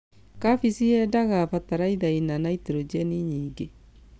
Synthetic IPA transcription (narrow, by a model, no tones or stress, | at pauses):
kafisiɛdaɣafataɾaiðainanaiteɾod͡ʒɛniɲiːŋɡe